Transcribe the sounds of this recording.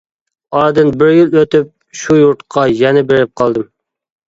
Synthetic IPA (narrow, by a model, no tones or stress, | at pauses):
ɑɾd̪ɨnbɪɾjiløt̪ɪp̚ | ʃujuɾt̪qʰɑjɛnɪbeɾɪp̚qʰɑlˠd̪ɨm